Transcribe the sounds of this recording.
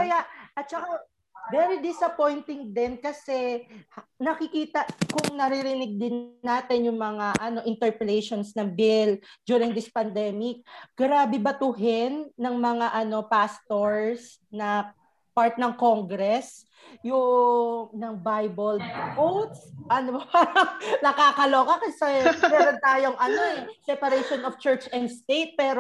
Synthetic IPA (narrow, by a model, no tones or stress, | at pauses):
kɐjaʔʔɐt̪̚t͡ʃɐka | vɛːɾid̪ɪsɐpo̞jnt̪ɪŋd̪ɪnkɐsɛhnɐkɪkiːt̪ɐʔkʊŋnɐɾɪɾɪnɪɡ̚d̪ɪnːaːt̪ɪnjʊŋmɐŋaʔɐno̞ʔɪnt̪ɛɹpɛlejʃonsnɐŋbɪld͡ʒ̪uːɾɪŋd̪ɪspɐnd̪ɛmɪk̚ɡ̥ɾaːbɛbɐt̪uːɦɪnːɐŋmɐŋaʔɐno̞past̪oɹs | nɐ | paɹt̪̚nɐŋkoŋɡɾɛs | jʊ | nɐŋbajbɛlpowt̪sʔɐno | nɐkaːkɐloːkɐkɐsɛmɛːɾont̪aːjoŋʔɐno̞ʔɛsɛpɐɾɛʃonoft͡ʃɛɹt͡ʃɛnd̪st̪ejt̪̚pɛːɾo